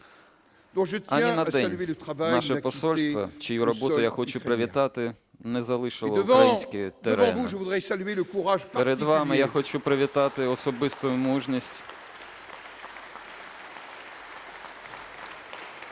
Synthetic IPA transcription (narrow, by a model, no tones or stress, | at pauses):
d̪ɔ̃ʒət̪aninɐd̪ɛnʲelət̪χavajnɑʃɛpɔssɔlʲst̪ʋɐ̰t͡ʃɪjuɾɔbɔʊjaxɔt͡ʃupɾɪʋʲit̪ɑt̪ɪ | nɛzɐlˠɪʃɪlˠɔəuvɾɐjinsʲkɪt̪eɾɑɛ̃vuʒəvud̪ʁɛsalyeləkuʁaʒppeɾed̪ʋɑmɪjaxɔt͡ʃupɾɪʋʲit̪ɑt̪ɪɔsɔbɪst̪ʊmuʒnʲisʲtʲ